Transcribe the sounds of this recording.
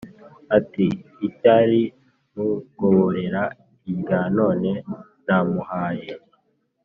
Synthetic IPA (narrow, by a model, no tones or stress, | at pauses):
atiːtaɾi | muɡoβoɾe̞ɾa | iɡano̞ːne̞ | namuhaːje